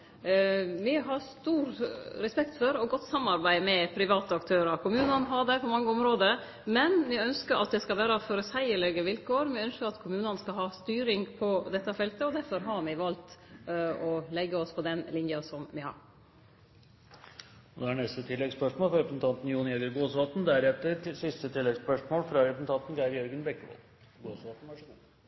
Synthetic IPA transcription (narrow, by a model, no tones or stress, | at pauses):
mɪɦɑst̪uːɾɾɛspɛkt̪fɔɾɔɡɔt̪ːsɑmːɑɾbæɪmɛpʰɾɪʋɑːt̪əɑkt̪ʰøːɾəkʰʊmʉːnənɦɑɖɛpʰɔmɑŋːəɔmɾoːd̪ə | mɛnmɪœnskəɾʔɑ̰t̪̚d̪ɛskɑlʋæːɾəfɔɾəsæɪəɭɛɡəʋɪlkoːɾmɪœnskəɾɑt̪kʰʊmʉːnənskɑɦɑːst̪yːɾɪŋpʰɔd̪ɛt̪ːəfɛlt̪əɔd̪æɾfɔɾɦɑɾmɪʋɑlt̪ | ɔlɛɡːəɔspʰɔd̪ɛnlɪnjɑsɔmʋɪhɑ̰ɾ | ɔd̪ɛæɳɛst̪ət̪ʰɪlːɛɡspœʂmoːlfɾɑɾɛpsnt̪ʰɑnt̪n̩juːnɪɛɡəɾɡoːsʋɑːt̪n̩d̪æɾɛft̪əɾsɪst̪ət̪ʰɪlːɛɡspœʂmoːlfɾɑɾɛpsn̩t̪ʰɑnt̪n̩ɡɑɾjœɾɡənbɛkːəʋɔ̰l | ɡoːsʋɑːt̪n̩æʂɡu